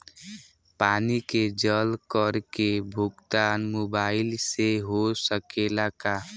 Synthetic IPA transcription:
paːniked͡ʒəlkəɾkebʱʊɡt̪anmobaːɪlseɦosəkelaka

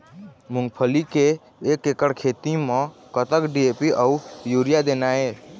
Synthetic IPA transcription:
mʊ̃ŋɡpʰəlikeː | kekəɽkʰet̪imɔ̃kət̪əkɖiepiʔəujuɾijad̪eːnae

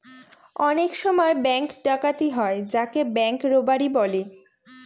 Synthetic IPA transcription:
ɔnekʃɔmɔebɛŋkɖakat̪iɦɔed͡ʑakebɛŋkɾobaɾibɔli

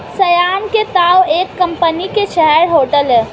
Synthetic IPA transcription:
sɐjaːnket̪aːweːkːəmpənikeʃɛɦɛɾɦoːʈəlɦɛː

